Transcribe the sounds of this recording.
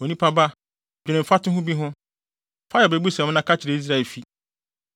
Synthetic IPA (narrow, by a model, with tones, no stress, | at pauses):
o˨nĩ˦pʰa˦ba˦ | d͡ʑᶣɪ˨nɪ̃˨fa˦tʊ̃˦ɦʊ̃˦bi˦ɦʊ̃˦ | fa˦jɛ˨bɛ˨bu˦sã˨m˦nã˦kʰa˦t͡ɕʰɪ˨ɾe˨i˦s̬ɾa˦˨ɛ˨fi˦